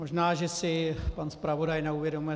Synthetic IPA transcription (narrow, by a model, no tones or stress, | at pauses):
moʒnaːʒɛsɪpanspɾavodajnɛuvjɛdo̞mujɛ